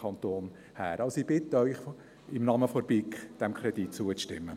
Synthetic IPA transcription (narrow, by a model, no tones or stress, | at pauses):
ɑnt̪oːn | hæ̰ːɾʔɑlsib̥ɪt̪ːəœʏχ | ɪmnɑməfɔɾbikd̥ɛmkʰχɾɛd̪it̚t͡suəʃtɪ̰mːə